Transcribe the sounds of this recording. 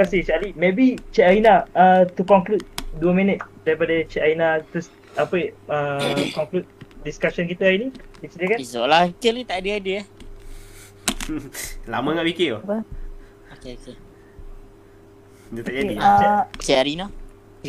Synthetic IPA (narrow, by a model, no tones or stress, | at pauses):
kasit͡ʃalimebit͡ʃɛaɾinaət̪ukɔŋklut̪̚duəmĩnət̪̚daɾipadət͡ʃɛʔainat̪us | apəəkɔŋklut̪̚diskaʃənk̬it̪əainĩisdiəkaisolaikelit̪aʔdəadəa | la̰mãɡaʔwikioə | okeoke | dət̪aʔadiat͡ʃɛaɾina